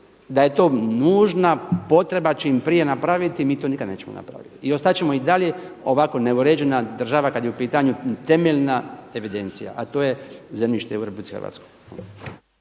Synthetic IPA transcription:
d̪aje̞t̪o̞ːnuːʒnapo̞t̪ɾe̞bat͡ʃeimpɾije̞napɾaʋit̪imiːt̪onikad̪ne̞ːt͡ɕemo̰na̰pɾa̰ʋit̪iio̞st̪at͡ɕe̞mo̞id̪alje̞o̞ʋako̞ne̞uɾed͡ʑe̞nad̪r̩ʒaʋakad̪jeupiːt̪aɲut̪e̞meʎnae̞ʋid̪e̞nt̪sija̰ʔat̪o̞ːjezemʎiʃt̪euɾepublitsi̥xə̰ɾʋa̰t̪sko̥j

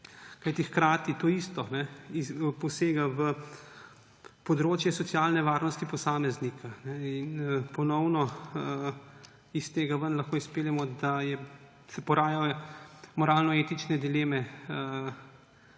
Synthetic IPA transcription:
kajt̪ixkɾaːt̪it̪oːiːst̪ɔnɛipɔseːɡaʋə | pɔd̪ɾoːt͡ʃjɛsɔt̪sjaːlnɛʋaːɾnɔst̪ipɔsaːmɛznikʰanɛinəpɔnɔwnɔ | ist̪eːɡaʋənlaxkoːispeːlʲjɛmɔd̪ajɛ | sɛpɔɾaːja | mɔɾaːlnɔeːt̪it͡ʃnɛd̪ileːmɛə

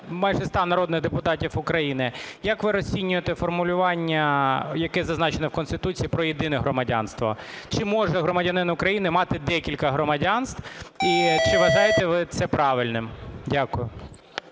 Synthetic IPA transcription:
mɑjʒɛst̪ɑnɐɾɔd̪nɪɣd̪epʊt̪ɑtʲifʊkɾɐjinɪjɐkʋɪɾɔsʲinʲːʊjet̪ɛfɔrmʊlʲʊʋɑnʲːɐjɐkɛzɐznɑt͡ʃenɔwkɔnst̪ɪt̪ut͡sʲijipɾɔjed̪ɪnɛɦɾɔmɐdʲa̰nst̪ʋɔ̰t͡ʃɪmɔʒɛɦɾɔmɐdʲɐnɪnɐʊkɾɐjinɪmɑt̪ɪd̪ɛkʲilʲkɐɦɾɔmɐdʲɑnst̪ʋwit͡ʃɪʋɐʒɑjet̪ɛʋɪt̪sɛpɾɑʋɪlʲnɪmdʲakʊjʊ

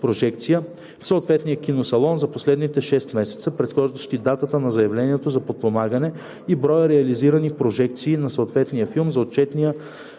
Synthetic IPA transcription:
pɾoʒɛkt̪sijə | fsoːt̪vɛt̪nijəkʲinosɐlˠɔnzɐposlɛd̪nit̪ɛʃɛst̪mɛsɛ̥t̪səpɾɛt̪xɔʒd̪əʃt̪id̪at̪ət̪ənɐzɐjɐvlɛniɛt̪ozɐpot̪̚pomaɡənɛ | ibɾɔjəɾɛɐliziɾənipɾoʒɛk̚t̪siːnɐsoːt̪vɛt̪nijəfilˠmzɐot̪̚t͡ʃɛt̪nijə

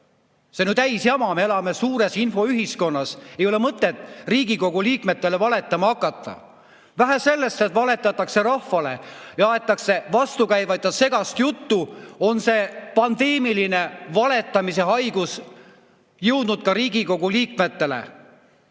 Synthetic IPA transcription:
senyːt̪æjsjɑmɑmeelɑme̞suːɾe̞sinfo̞yɦisko̞nːɑse̞jo̞lemɤt̪ːˑet̪ːˑriːɡ̥iko̞ɡuliːkme̞t̪ːˑe̞le̞vɑle̞t̪ːˑɑmɑɑkːˑɑt̪ˑːɑ̰ | væɦæse̞lːe̞st̪e̞t̪vɑle̞t̪ːˑɑt̪ːˑɑkse̞ɾɑhfɑle̞̰jɑɑet̪ˑːɑkse̞vɑst̪ukæjvɑjt̪jɑse̞ɡ̥ɑst̪jut̪ːuo̞nse̞pɑnd̪̥e̞ːmiline̞vɑle̞t̪ːˑɑmise̞ɦɑjɡ̥us | jɤ̞wd̪̥nud̪̥̚kɑɾiːɡiko̞ɡ̥uliːkme̞t̪ːe̞le̞̰

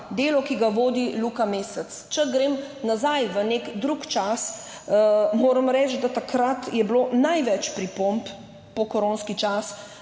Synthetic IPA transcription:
d̪eːlɔkiɡaʋoːd̪ilukameːsət̪st͡ʃɛɡɾeːmnazajʋənekd̪ɾukt͡ʃas | moːɾəmɾɛːt͡ʃ̪d̪at̪akɾat̪jɛbloːnajʋɛt͡ʃpɾipomp | pɔkɔɾonskit͡ʃas

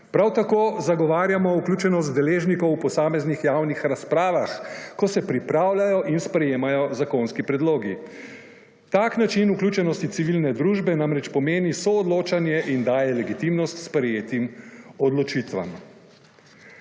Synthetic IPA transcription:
pɾawt̪akoːzaɡɔʋaːɾjamɔuklʲuːt͡ʃɛnɔst̪d̪ɛleːʒnikɔwpɔsaːmɛznixjawnixɾaspɾaːʋaxkɔsɛpɾipɾawlajɔʔinspɾɛjeːmajɔzakonskipɾɛd̪loːɡi | t̪aknat͡ʃinuklʲut͡ʃɛnɔst̪it̪siʋilnɛd̪ɾuːʒbɛnamɾɛt͡ʃpɔmeːnisɔːd̪loːt͡ʃanjɛʔind̪aːjɛlɛɡit̪imnɔst̪spɾɛjeːt̪imɔd̪lɔt͡ʃit̪ʋa̰m

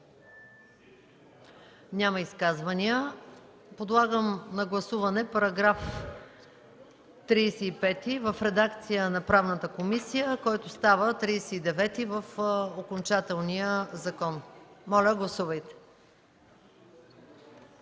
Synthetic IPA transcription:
nʲaməiskazvɐniə | pod̪lˠaɡəmnɐɡlˠɐsuvɐnɛpɐɾɐɡɾaf | t̪ɾijsɛːpɛt̪ivəfɾɛd̪akt̪sijənɐpɾavnət̪əkomisijəkɔjt̪ʊst̪avət̪ɾijsɛid̪ɛvɛt̪ivəfokont͡ʃat̪ɛlˠniəzɐkɔnmɔlʲəɡlˠɐsuvəjt̪ɛ̥

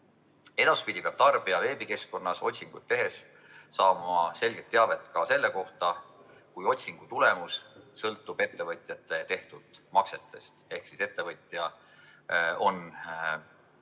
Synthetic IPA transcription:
e̞d̪̥ɑspid̪ʲipeɑb̥̚t̪ɑrb̥iɑve̞ːbike̞sko̞nːɑso̞tʲsiŋɡ̥ut̪̚ːe̞ɦe̞sː | ɑːmɑse̞lɡ̥e̞t̪ːeɑve̞t̪ːˑkɑse̞lːeko̞ht̪ɑ | kujo̞t̪ʲsiŋɡ̥ut̪ule̞mussɤlt̪ːˑub̥e̞t̪ːe̞vɤt̪ʲˑjɑt̪ːˑe̞t̪e̞ht̪ud̪̥mɑkse̞t̪ːˑe̞st̪e̞hksise̞t̪ːe̞vɤt̪ʲˑjɑ | o̞n

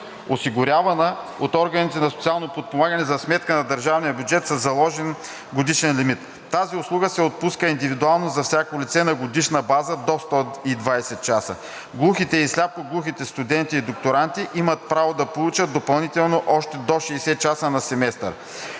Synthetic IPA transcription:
osiɡʊɾʲjavɐnə | ot̪ɔɾɡənit̪ɛnɐsot̪ialˠnopot̪̚pomaɡənɛzɐsmɛt̪kənɐd̪əɾʒavnijəbʲjud͡ʒɛt̪sɐzːɐlˠɔʒɛn | ɡod̪iʃɛnlimit̪ːaziʊslˠuɡəsɛot̪̚puskəind̪ivid̪ualˠnozɐfsʲakolit̪sɛnɐɡod̪iʃnəbazəd̪ost̪ɔid̪vajsɛt̪̚t͡ʃasə̰ | ɡlˠuxit̪ɛislʲap̚koɡlˠuxit̪ɛst̪ud̪ɛnt̪iːd̪okt̪oɾant̪iʔimət̪̚pɾavod̪ɐpolˠut͡ʃət̪̚d̪opɐlˠnit̪ɛlˠnoʔɔʃt̪ɛd̪oʃɛːsɛt͡ʃasənɐsɛmɛst̪ə̰ɾ

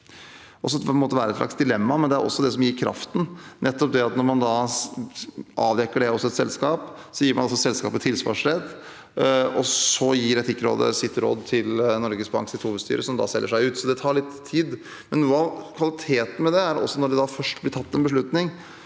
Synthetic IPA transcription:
ʔɔs̬ɔɛnmoːt̪əʋæːɾəɛt̪ʂlɑ̰ksd̪ɪlɛmːɑmɛnd̪ɛæɾʔɔ̰sːɔd̪ɛsɔmjiːɾkʰɾɑ̰ft̪n̩nɛt̪ːɔp̚d̪ɛɑt̪nɔɾmɑnd̪ɑ | ʔɑːʋd̪ɛkːəɖɛɔsːɔɛt̪sɛlskɑːp | sɔjiːɾmɑnɔsɔsɛlskɑ̰ːpət̪ʰɪlsʋɑ̰ːʂɾɛd̪ | ɔsɔjiːɾɛt̪ɪkːɾo̰ːd̪ə̰sɪt̪ɾo̰ːd̪t̪ʰɪlnɔɾɡəsbɑ̰ŋsɪt̪huːʋəd̪st̪y̰ːɾəsɔmd̪ɑ̰ːsɛlːəʂæɪʉːt̪sɔd̪ɛt̪ʰɑːɭɪt̪ʰːiːd̪ | mɛnːuːəɑʋkʰʋɑlɪt̪ʰeːt̪n̩mɛd̪ɛæɾɔ̰sːɔnɔɖɛd̪ɑfœʂʈblɪʈʰɑt̪ːɛnbəʂ̬ɭʉt̪nɪŋ

